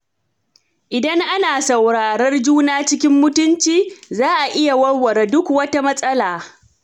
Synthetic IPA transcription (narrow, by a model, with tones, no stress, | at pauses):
ʔɪ˨dɐ˦ŋʔa˦naː˨sɐ˨wɾaː˨ɾɐ˦rd͡ʒuː˦naː˦t͡ʃɪ˦kʲɪ˦mːʊ˦tʊ˦nt͡ʃiː˨zaː˦ʔa˨ʔɪ˦ja˨wɐ˦ɽwɐ˨ɾa˨dʊ˦kwɐ˦ta˦mɐ˦sʼɐ˦laː˨